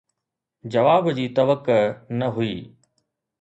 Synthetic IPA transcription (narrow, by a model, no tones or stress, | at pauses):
d͡ʑɐʋaːbd͡ʑiːt̪ɐʋəknɐɦʊiː